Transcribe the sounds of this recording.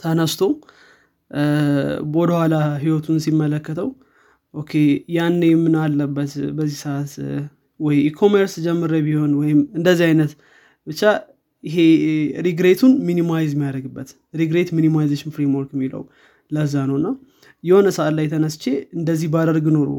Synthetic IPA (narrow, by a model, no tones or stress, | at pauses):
t̪ʰənəst̪ʰo̞ | wɔd̪əhʷwalaɦiwɔt̪ʰunsimːələkːət̪ʰəw | ʔokʰːe̞janːejmɨnalːəbːət̪bəzːihsəʔat̪ | wɔjikʰo̞meɾsd͡ʒɛmːɨɾəbiho̞nwɔjɪmɨnd̪əzːihajnət̪ | bɨt͡ʃːa | jɪɦe̞ɾiɡɾet̪ʰunminimajzmijad̪ɾəɡɨbːət̪ | ɾiɡɾe̞t̪minimajzeʃɪnfɾe̞mwɔɾkjɛmːilə̰w | ləzːanəwɨnːa | jɛho̞nəsəʔat̪lajt̪ʰənəst͡ʃeɨnd̪əzːihbad̪əɾɡno̞ɾṵ